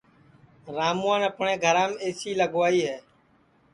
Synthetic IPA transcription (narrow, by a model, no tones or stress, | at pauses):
ɾaːmũãːnəpɳẽːɡʱəɾãːmeːsiːləɡʋaːiːɦɛː